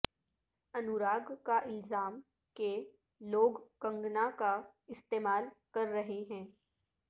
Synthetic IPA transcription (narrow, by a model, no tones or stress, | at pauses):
ɐnʊɾaːɡkaʔɪlzaːm | ke | loːɡkɐ̃ŋɡnaka | ɪst̪eːmaːlkɐɾːɐɦeɦɛ̃ː